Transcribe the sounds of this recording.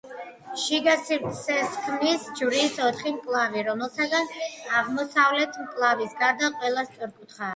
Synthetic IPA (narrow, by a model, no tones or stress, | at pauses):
ʃiɡasiɾt̪ʰsɛskʰmisd͡ʒvɾiːsɔt̪ʰχimpʼlˠaviɾɔmɛlˠsaɡanaʁmɔsavlɛt̪ʰmkʼlˠavisɡaɾd̪aqʼwɛlˠast̪sʼɔɾkʼut̪ʰχa